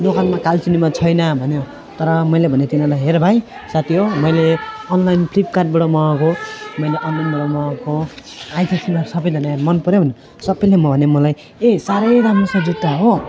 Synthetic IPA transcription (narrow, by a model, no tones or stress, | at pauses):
nokanmakalt͡sinimat͡sʰʌjnʌbʱʌnjo | t̪ʌɾʌmʌjlebʱʌnet̪inalajɦeɾbʱaj | sat̪iɦomʌjleʌnlajnpʰlip̚kaʈ̚baɽomʌ̃komʌjleʔʌnlajnbaɽomʌko | ajt̪ʰisinʌɾsʌbʌjd̪ʱʌnamʌnpʌɾebʱʌn | sʌbːʌjlemʌbʱʌnemʌlaj | esaɾʌjɾamosʌd͡zut̪ːaɦo